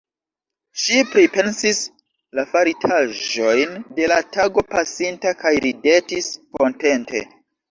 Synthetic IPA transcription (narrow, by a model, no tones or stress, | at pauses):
ʃipɾipe̞nsis | lafaɾitʰaʒo̞jnde̞lataɡo̞pasintakajɾide̞tisko̞nte̞nte̞̰